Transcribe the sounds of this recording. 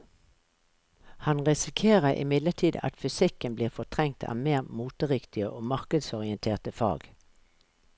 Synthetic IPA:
hɑnʁɪsɪkʰeːʁəʔɪ̰mɪd̪lət̪ʰiːd̪ɑ̰t̪fʏsɪkənbliːʁfɔʁt̪ʰʁɛŋ̚t̪ʰɑ̰ːmeːʁmuːt̪əʁɪkt̪ɪəʔoːmɑʁkəd̪sɔʁɪənt̪ʰeːʁt̪əfɑ̰ːɡ

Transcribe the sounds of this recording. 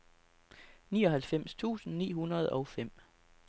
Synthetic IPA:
niːɒ̽ɦælfem̰st͡sʰṵːsn̩nḭːɦunɐð̞ˠɒ̽ʊfem̰

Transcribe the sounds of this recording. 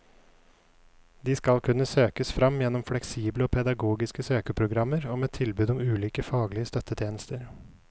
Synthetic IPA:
d̪iːskɑlkʰʉnəsøːkəsfɾɑmjɛnːɔmflɛksiːbləɔːpʰɛd̪ɑɡuːɡɪskəsøːkəpʰɾʊɡɾɑmːəɾoːmeːt̪ʰɪlbʉːd̪ɔmʉːliːkəfɑːɡlɪəst̪œt̪ʰːət̪ʰjeːnəst̪əɾ

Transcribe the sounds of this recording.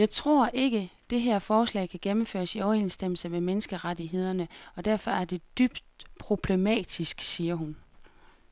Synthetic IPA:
jɑ̈ɪt͡sʰʁo̝̰ɐ̰ʔe̝ɡ̥əd̥e̝ɦeɐ̰fɒːslɛ̰ːɪkʰæɡ̥emm̩fø̰ːɐsiɒʊensd̥em̰l̩səmemenəsɡ̥əʁadiɦe̝ð̞̰ˠɐnəɒ̽d̥æɐ̰fɒ̽æɐd̥e̝d̥yb̥d̥pʰʁo̝b̥le̝mɛ̰ːd̥isɡ̥siːɐɦun

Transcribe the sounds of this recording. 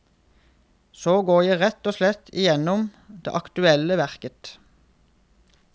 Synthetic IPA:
soːɡoːjæɪʁɛt̪oːslɛt̪ʰɪ̰jɛnʊm | d̪̥ḛːʔɑkt̪ʉɛləʋæʁkət̪

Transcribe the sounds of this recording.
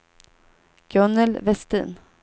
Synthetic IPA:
ɡ̥œnəlvɛst̪ḭːn

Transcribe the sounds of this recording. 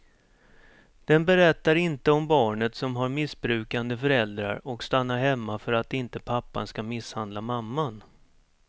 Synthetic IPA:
d̪̥ɛnbɛɾɛt̪ːaɾɪnt̪əɔmbɑːɳət̪sɔmɦaɾmɪsbɾʉ̟ːkand̪əfœɾɛld̪ɾa̰ɾɔkst̪anːaɾɦɛmːafœɾat̪ɪnt̪əpʰapːa̰nskamɪshand̪lamamːan

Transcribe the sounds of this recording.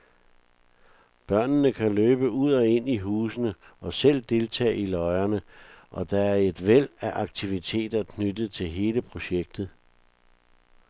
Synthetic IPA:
b̥ɶɐ̰nnəkʰæløːb̥əuð̞̰ˠɒe̝n̰iɦuːsənə | ʔɒ̽sel̰d̥e̝lt͡sʰɛ̰ːilɒ̽ɪɐnəʔɒ̽d̥ɑ̈æɐe̝d̥ʋel̰æʔɑ̈ɡ̥̚t͡sʰiʋit͡sʰe̝̰ːd̥ɐkʰnyd̥ð̩ˠt͡sʰe̝lɦe̝ːləpʰʁo̝ɕeɡ̥̚d̥ð̞̩ˠ

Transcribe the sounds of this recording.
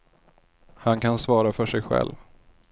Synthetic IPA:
hankʰansvɑːɾafœʂɛɡɧɛ̰lːv

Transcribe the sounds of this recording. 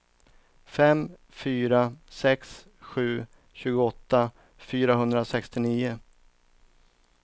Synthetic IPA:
fɛm | fyːɾasɛks | ɧʉ̟ː | ɕʉ̟ːɡʊɔt̪ːa | fyːɾaɦɵnd̪ɾasɛkst̪ɪniːʊ

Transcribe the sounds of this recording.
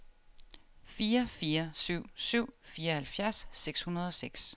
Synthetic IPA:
fiːɐfiːɐsyʊ̰syʊ̰fiːɐhælfjæɐsːeɡ̥shunɐð̞ˠɒ̽seɡ̥s

